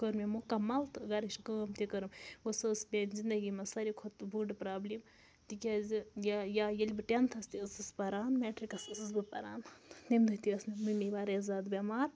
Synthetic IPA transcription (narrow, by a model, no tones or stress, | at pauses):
kəɾmemukɐmːɐlt̪ɨɡɐɾiʃkəːmt̪ʲikəɾɨmɡosɨsbʲenʲzind̪ɐɡimɐsɐɾikʰot̪buɖɨpɾaːblʲim | t̪ikʲazijajajɐlʲbɨʈʲent̪ʰɐst̪isɨspɐɾaːnmeːʈɾikɐsɨsɨs̬bɨpɐɾaːnnimd̪ut̪iɐsnimɨmiʋaːɾɐɐzaːd̪bʲemaːɾ